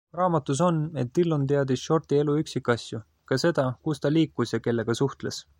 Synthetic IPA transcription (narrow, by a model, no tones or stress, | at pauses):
rɑːmɑt̪ːˑus̬o̞ne̞t̪ːilːont̪̬e̞ɑd̪isʃo̞rt̪ie̞luyksikːˑɑsʲju | kɑse̞d̪̥ɑkust̪ɑliːkˑːusjɑke̞lːe̞ɡ̥ɑsuht̪le̞s